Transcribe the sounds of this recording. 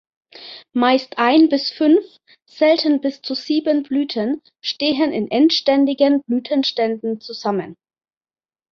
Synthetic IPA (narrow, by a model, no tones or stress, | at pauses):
maɪstʔaɪnbɪsfʏnf | z̥ɛltən̩bɪst͡suziːbənblyːtʰən | ʃteːɦənɪnʔɛntʃtɛndɪɡənblyːtʰənʃtɛndn̩t͡suzamən